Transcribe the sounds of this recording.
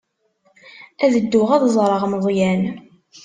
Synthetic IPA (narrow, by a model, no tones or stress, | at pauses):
æðəd̪ːʊʁæðzˤɾˤəʁməðˤjæn